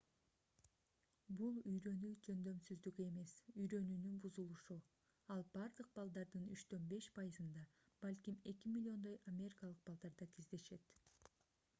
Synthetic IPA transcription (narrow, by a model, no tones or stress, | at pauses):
bulˠyjɾø̞nyd͡ʒø̞nd̪ø̞msyzd̪yɡe̞me̞syjɾø̞nyːnynbuzulˠuʃu | ɑlˠbɑɾd̪ɯq̚bɑlˠd̪ɑɾd̪ɯnyt͡ʃt̪ø̞nbe̞ʃpʰɑjɯzɯnd̪ɑ | b̥alʲkʲime̞kʲimʲilʲːio̞nd̪o̞jamʲe̞ɾʲikɑlˠɯq̚bɑlˠd̪ɑɾd̪ɑk̪ʰizd̪e̞ʃe̞t̪